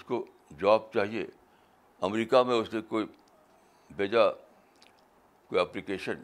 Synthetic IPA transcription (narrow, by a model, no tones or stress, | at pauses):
ʊsko | d͡ʒaːb̚t͡ʃaːɦiḛ | ɐmɾiːkamẽʊsnẽkoːi | bʱeːd͡ʒa | koːiɛplikeːʃən